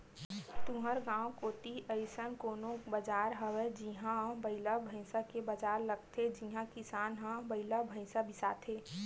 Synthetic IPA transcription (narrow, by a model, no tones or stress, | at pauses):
t̪uɦəɾɡãːwkoːt̪iʔəɪsənkoːnõbəd͡ʒaːɾɦəwed͡ʒiɦãbəɪlabʱə̃ɪsakebəd͡ʒaːɾləɡ̚t̪ʰed͡ʒiɦãkɪsaːnɦãbəɪlabʱə̃ɪsabʱɪsaːt̪ʰeː